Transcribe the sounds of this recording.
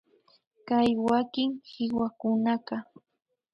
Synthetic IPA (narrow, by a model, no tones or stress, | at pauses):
kajwakɪŋhɪwakʊnaqɑ